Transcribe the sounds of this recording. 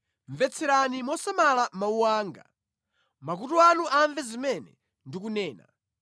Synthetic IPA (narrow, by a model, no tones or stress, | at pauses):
ɱvɛt͡sʰɛɾanimɔsamalamauwaːŋɡa̰ | mak̬utuanuʔaɱvɛzimɛnɛ̰ | ndik̬unɛːna̰